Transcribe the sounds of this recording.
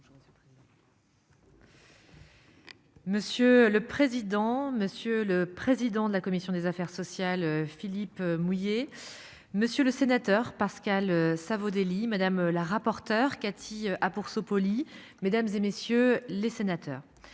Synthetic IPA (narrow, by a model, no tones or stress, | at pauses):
məsjøləpχezid̪ɑ̃məsjøləpχezid̪ɑ̃d̪əlakɔmisjɔ̃d̪ezafɛʁsɔsjalfilipmuje | məsjøləsenat̪œʁpaʁskʲaløsavod̪elimad̪amlaʁapɔʁt̪œʁkat̪ʰiʔapuʁsopɔli | med̪amzemesjølesenat̪ʰœ̰ːʁ